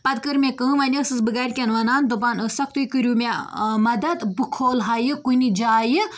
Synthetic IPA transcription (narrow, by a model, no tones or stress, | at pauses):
pɐd̪kəɾmʲekəːmɐnʲəsɨsbɨɡɐɾʲkʲɐnʋɐnaːnd̪ubaːnəsɐkʰt̪ujkɨɾʲuːmʲamɐd̪ɐd̪bɨkʰoːlɦajɨkunʲid͡ʒaːjɨ